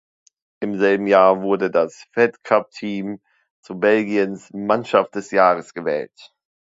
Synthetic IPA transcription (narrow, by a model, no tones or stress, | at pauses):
ʔɪmzɛlbm̩jaːɐvʊɐdədasfɛtkʰap̚tʰiːm | t͡suːɐbɛlɡiənsmanʃaft̚d̥ɛsjaːʁ̞əsɡ̥əvɛ̰ːlt